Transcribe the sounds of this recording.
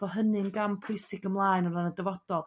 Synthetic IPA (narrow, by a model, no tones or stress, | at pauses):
b̥ɔɦənɨnɡampʰʊɨsɪɡəmlˠaːjnɔɾanədəvɔd̥ɔlˠ